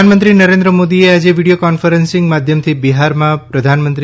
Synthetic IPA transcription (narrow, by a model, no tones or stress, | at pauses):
anmənt̪ɾinəɾẽnd̪ɾəmod̪iead͡ʒeʋiɽijokɔnfəɾənsɪ̃ŋɡmad̪ʱjəmt̪ʰibiɦaɾmãpɾəd̪ʱanmənt̪ɾ